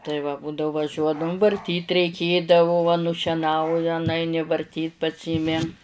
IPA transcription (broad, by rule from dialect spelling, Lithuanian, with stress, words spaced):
tɐɪ ʋɐ ˈbuːdɐʊ ʋɐˈʒʲuɔdɐʋʊm ʋɐrʲˈtʲiːt rʲɛɪˈkʲeːdɐʋoː ʋɐ nʊʃʲɛˈnɐʊjɛ nʊˈɐɪnʲɪ ʋɐrʲˈtʲiːt pɐˈsʲiːmʲɪ